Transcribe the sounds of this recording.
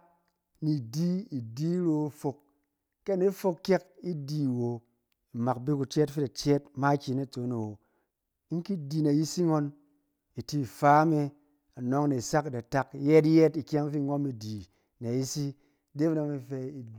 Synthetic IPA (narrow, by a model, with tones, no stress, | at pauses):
ni˨di˦i˨di˦ɾo˧˨fo˧kː | e˦˨ne˦fo˧kkʲe˦ki˦di˨wo˨ | i˨ma˨kbi˦ku˨t͡ʃe˦tfi˦ta˨t͡ʃe˦tma˦kʲi˨na˦˨t͡so˨˦ne˨wo˨ | i˦ŋ˦ki˦di˨na˨ji˦si˦ŋo˧n | i˨ti˦˨fa˦me˧ | a˨no˦ŋne˨sa˦kda˨ta˦kje˦tje˦ti˨kʲa˦ŋ˦fi˦˨ŋo˦mi˨di˨ | na˨ji˦si˦˨ | de˦m˦na˧mi˧fe˧i˨